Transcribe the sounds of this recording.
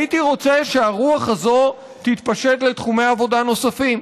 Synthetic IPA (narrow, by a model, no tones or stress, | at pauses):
it̪iʁo̞t͡seʃeaʁuaχhazo̞ | t̪it̪paʃe̞t̪le̞t̪χume̞jaavo̞dano̞safim